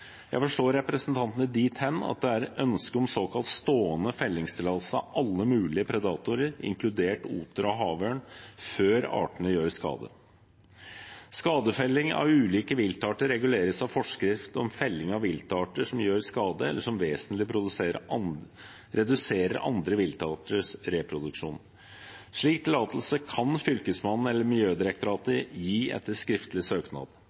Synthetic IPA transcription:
jæ̰ɪfɔʂʈoːɾɛpɾəsənt̪ʰɑnt̪ənəd̪iːt̪ʰhɛnːɑ̰t̪̚d̪ɛæɾʔœnskəɔmsoːkʰɑlt̪st̪oːənəfɛlːɪŋst̪ʰɪlɑlsəɑʔɑlːəmʉːlɪəpʰɾɛd̪ɑːt̪ʊɾəɾɪ̰ŋklʉd̪eːʈṵːt̪əɾɔɦɑːʋøːɳføːɾɑ̰ːʈəɳəjøːɾskɑ̰ːd̪ə̰ | skɑːd̪əfɛlːɪŋɑ̰ʋʉːliːkəʋɪlt̪ɑːʈəɾːɛɡʉleːɾəsɑʋfɔʂkɾɪft̪ɔ̰mfɛlːɪŋɑʋʋɪlt̪ɑːʈəʂɔmjøːɾskɑːd̪əɛ̰lːəʂɔmʋeːsənt̪lɪpʰɾʊd̪ʉseːɾ | ɾɛd̪ʉseːɾə̰ɾʔɑ̰nd̪ɾəʋɪlt̪ɑːʈəʂɾɛpʰɾʊd̪ʉkʂṵːn | ʂɭiːk̚t̪ʰɪlɑːt̪l̩səkʰɑnfʏlkəsmɑn̩ːɛlːəmɪljøːd̪ɪɾɛk̚t̪ʊɾɑːt̪əɾjiːɛ̰t̪ːəʂkɾɪft̪lɪsøːknɑ̰ːd̪

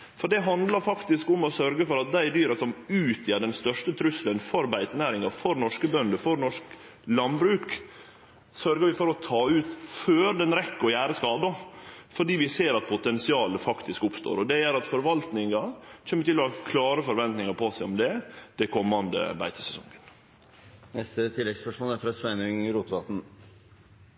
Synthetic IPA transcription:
fɔɖɛɦɑnd̪lɑɾfɑkt̪ɪskʊmɔsœɾɡəfɔɾɑt̪̚d̪æɪd̪yːɾɑsɔmʉːt̪ʰjeːɖɛnst̪œʂʈət̪ʰɾʉslənfɔɾbæɪt̪ənæːɾɪŋɑfɔɾnɔʂkəbœnd̪əfɔɾnɔʂk | lɑnbɾʉːk | sœɾɡəɾʋɪfɔɾɔt̪ʰɑːʉːt̪føːɾd̪ɛnɾɛkːəɾɔjæːɾəskɑːd̪əfɔɖiːʋɪseːɾɑt̪̚pʰʊt̪ɛnsɪɑːləfɑkt̪ɪskʊpst̪o̰ːɾɔd̪ɛæɾɑt̪fɔɾʋɑlt̪nɪŋɑc͡çʰɛːmːəɾt̪ɪlːɔhɑkʰlɑːɾəfɔɾʋɛnt̪nɪŋɑɾpʰosæɪɔmd̪ɛd̪̥ɛkʰɔmːɑnd̪ə̰bæ̰ɪt̪ə̥sɛsɔ̰ŋən | nɛst̪ət̪ʰɪlːɛɡspœʂmoːlæɾfɾɑsʋæɪnʉŋɾuːt̪ʋɑt̪n̩

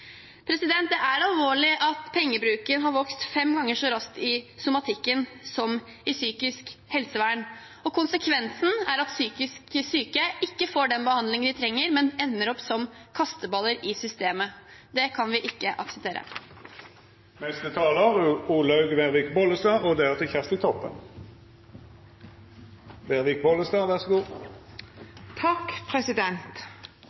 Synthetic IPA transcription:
pʰɾɛsɪd̪ɛnt̪̚d̪ɛʔæɾɑlʋoːɭɪʔɑt̪pʰɛŋːəbɾʉːkənɦɑɾʋɔkst̪fɛmɡɑŋːəʂɔɾɑskt̪ɪsʊmɑt̪ʰɪkːənsɔm | ɪsyːkɪskhɛlsəʋæːɳ | ɔkʊnsəkʰʋɛnsn̩æɾɑt̪syːkɪsksyːkəɪkːəfoːɖɛnbəhɑnd̪lɪŋənd̪ɪt̪ʰɾɛŋːəɾmɛnɛnːəɾɔpsɔmkʰɑst̪əbɑləɾɪsʏst̪eːməd̪ɛkʰɑnʋɪʔɪkːəʔɑ̰ksəp̚t̪ʰeːɾə̰ | nɛst̪ət̪ʰɑːləʁʉuːlɑʉɡʋeʁʋɪːkbɔləst̪ɑːod̪ɛæʁt̪ʰɪçɛst̪ɪt̪ʰɔpːə̰n | beʁʋɪkbɔlːəst̪ɑːʋæʁsɔɡuː | t̪ʰɑkpʰɾɛsɪd̪ɛnt̪

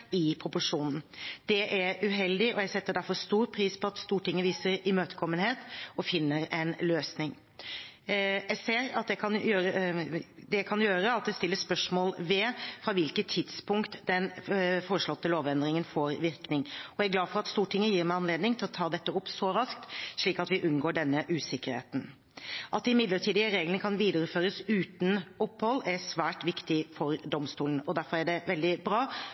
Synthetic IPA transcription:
ɪpʰɾʊpʊʂuːnn̩d̪̥ɛʔæɾʉɦɛld̪ɪʔɔjæɡsɛt̪ːəɖ̪æɾfɔɾst̪uːɾpʰɾiːspʰɔɑt̪st̪uːʈʰɪŋːəʋiːsəɾɪmøːt̪ə̥kʰɔmːənheːt̪ɔfɪnːəɾɛnløːsnɪŋ | jæɪseːɾɑt̪d̪ɛkʰɑnjøːɾə | d̪ɛkʰɑnjøːɾəɑt̪̚d̪ɛst̪ɪlːəspœʂmoːlʋɛfɾɑʋɪlkət̪ʰːɪd̪spʰʊŋkt̪d̪ɛnfoːɾəʂɭɔt̪ːəloːʋɛnd̪ɾɪŋənfoːɾʋɪɾknɪŋɔæɾɡlɑːfɔɾɑt̪st̪uːʈʰɪŋːəjiːɾmæɪɑnleːd̪nɪŋt̪ʰɪlɔt̪ʰɑːd̪ɛt̪ːəʊpsɔɾɑskt̪ʂɭiːkɑt̪ʋɪʔʉnɡoːɖɛnːəʔʉːsɪkːəɾhḛːt̪n̩ | ʔɑt̪ːɪmɪd̪ləʈʰiːd̪ɪəɾeːɡlənəkʰɑnʋiːd̪əɾəføːɾəsʉːt̪nɔpːhɔlːæɾsʋæːʈʋɪkt̪ɪfɔɾd̪ɔmst̪uːlən̩ɔd̪æɾfɔɾæɖɛʋɛld̪ɪbɾɑː

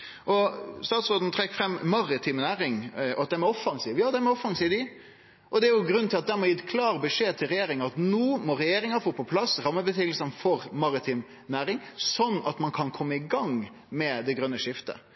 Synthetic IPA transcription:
ʔɔst̪ɑːt̪sʁoːd̪n̩t̪ɾɛkːfɾɛmːmɑɾɪt̪ʰiːmnæːɾɪŋɔɑt̪d̪ɛmɛɔfɑŋsiːʋjɑːd̪ɛmɛɔfɑŋsiːʋd̪ɪ | ʔɔd̪ɛæɾjʊɡɾʉnʰɪlɑt̪̚d̪æɾmɔjɪt̪ːkʰlɑːɾbəʂeːt̪ʰɪlɾɛjeːɾɪŋɑɑt̪nuːmɔɾɛjeːɾɪŋɑfoːpʰɔpʰlɑsɾɑmːəbət̪ʰyːɡlsənfɔɾmɑɾɪt̪ʰiːm | næːɾɪŋsɔnːɑt̪mɑnkʰɑnkʰɔmːəɪɡɑŋ | mɛd̪ɛɡɾœnːəʂɪft̪ə̰

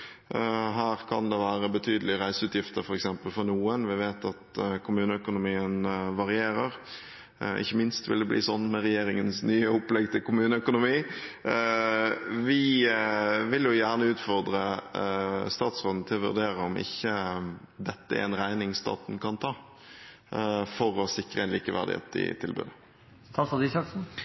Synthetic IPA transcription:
ɦæːɾkʰɑnd̪ɛʋæːɾəbət̪ʰyːd̪əlɪɾæɪsəʉːt̪jɪft̪əɾfɔɾɛksɛmpəlfɔʁnuːənʋɪʋeːt̪ɑt̪kʰʊmʉːnəœkʊnʊmiːənʋɑɾɪeːɾəɾ | ʔɪ̰çːəmɪnst̪ʋɪ̰ld̪ɛblḭːsɔnːmɛɾɛjeːɾɪŋənsnyːəʊplɛɡt̪ʰɪlkʊmʉːnəœkʊnʊmiː | ʋɪ | ʋɪljʊjæːʁnəʉːt̪fɔʁd̪ʁə | st̪ɑːt̪sʁoːd̪n̩ət̪ʰɪlɔʋʉ̰ʁd̪eːʁəɔmʔɪ̰çːəd̪ɛt̪ːəɛ̰ɛnʁæɪnɪŋst̪ɑ̰ːt̪nkʰɑnt̪ʰɑː | fɔɾɔsɪkɾəɛnliːkəʋæ̰ʁd̪ɪ̰hḛːt̪ɪ̰t̪ʰɪlbʉ̰ːd̪ə | t̪ʰɑsɑd̪isɑks

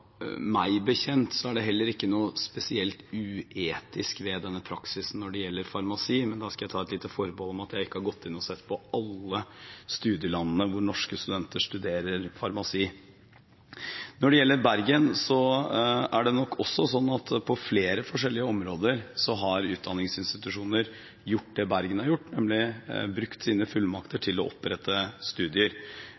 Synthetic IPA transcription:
mæɪbəçɛnt̪sɔæɖɛɦɛlːəɾɪkːənuːspɛsɪɛlt̪ʉːeːt̪ɪskʋɛd̪ɛnːəpʰɾɑksɪsn̩ːɔɖɛjɛlːəɾfɑɾmɑsiːmɛnd̪ɑskɑjæɪt̪ʰɑːɛt̪liːt̪əfɔɾbɔlɔmɑt̪jæɪɪkːəhɑɾɡɔt̪ːɪnːɔsɛt̪ːpʰɔɑlːəst̪ʉːd̪jəlɑnːənəʋʊɾɳɔʂkəst̪ʉd̪ɛnt̪əʂt̪ʉd̪eːɾəɾfɑɾmɑsiː | nɔɖɛjɛlːəɾbæɾɡənsɔ | æɖɛnɔkːɔsːɔsɔnːɑt̪pʰɔfleːɾəfɔʂɛlːɪəɔmɾoːd̪əɾsɔɦɑɾʉːt̪̚d̪ɑnːɪŋsɪnst̪ɪt̪ʉʂuːnəɾ | jʊʈ̚ːd̪ɛbæɾɡənhɑɾjʊʈːnɛmlɪbɾʉkt̪siːnəfʉlmɑkt̪ʰəʈʰɪlɔ̰ʔɔpːɾɛt̪ʰːəst̪ʉːd̪ɪəɾ

